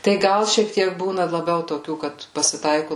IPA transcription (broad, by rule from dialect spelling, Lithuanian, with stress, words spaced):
tɐɪ ˈɡɐlˠ ʃʲiɛk ˈtʲiɛk ˈbuːnɐ lˠɐˈbʲɛʊ toːˈkʲuː ˈkɐt pɐsʲɪˈtɐɪkʊ